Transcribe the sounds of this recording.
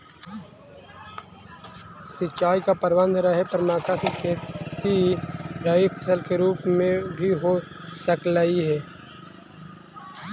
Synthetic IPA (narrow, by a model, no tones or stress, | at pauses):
sɪt͡ʃːʃaːikapəɾbə̃nd̪ʱɾəɦepəɾnaːkakikʰeːt̪iɾəipʰəsəlkeɾuːpmẽbʱiɦosəklaiɦɛː